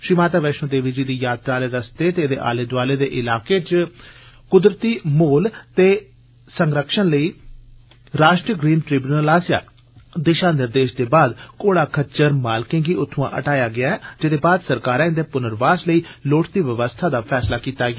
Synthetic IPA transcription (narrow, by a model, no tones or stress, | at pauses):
ʃɾiːmaːt̪aːʋɛːʃõːd̪eːʋiːd͡ʒiːd̪iːjaːt̪ɾaːleːɾəst̪eːt̪eːd̪ḛːʔa̰ːleːd̪ʋaːleːd̪ḛːʔɪlaːkeːt͡ʃ | kʊd̪ɾət̪iːmoːlt̪eː | səŋɡɾəkʃənləiː | ɾaːʃʈɾəɡɾiːnʈɾiːbjuːnəlaːsja̰ː | d̪ɪʃãːnɪɾd̪eːʃd̪eːbaːd̪koːɽaːkʰət͡ʃəɾmaːlkɪ̃ŋɡiːʔʊt̪ʰːʊã̰ːʔə̰ʈaːjaːɡɪaːɛːd͡ʒɪd̪eːbaːd̪səɾkaːɾãːɪnd̪eːpʊnəɾʋaːsləiːloːʈʰt̪iːʋəʋəst̪ʰaːd̪aːpʰɛːslaːkiːt̪aːɡɪaː